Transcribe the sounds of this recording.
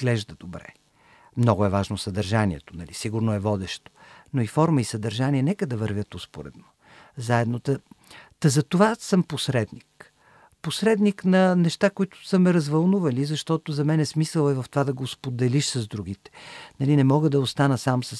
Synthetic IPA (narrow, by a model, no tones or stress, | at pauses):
ɡlɛʒd̪əd̪obɾɛ̰ | mnɔɡʊɛvaʒnosɐd̪əɾʒanʲiɛt̪o̥nɐlisiɡuɾnoɛvɔd̪ɛʃt̪o̥noifɔɾməisɐd̪ɐɾʒaniɛnɛkəd̪ɐvəɾvʲət̪ospo̰ɾɛ̰d̪no | zaɛd̪not̪ət̪ɐzɐt̪ovasəmposɾɛd̪nik | posɾɛd̪niknɐnɛʃt̪akoit̪ʊ̥səmɛɾɐzvɐlˠnuvɐlizɐʃt̪ɔt̪ozɐmɛnɛsmisəlˠɛvɐft̪ovad̪ɐɡospod̪ɛliʃsɐzd̪ɾuɡit̪ɛ̥nɐlinɛmɔɡəd̪ɐost̪anəsamsə